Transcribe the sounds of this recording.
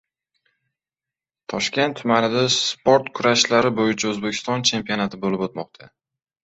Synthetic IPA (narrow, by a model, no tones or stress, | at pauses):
t̪ʰɒʃkʲe̞nt̪ʰːʊmanɪd̪aspoɾt̪kʰʊɾaʃlaɾɪbojɪt͡ʃʰaɵzbekʲʰɪ̥st̪ɒnt͡ʃʰe̞mpionat̪ʰɪbolɪbot̪̚mɒq̚t̪ʰa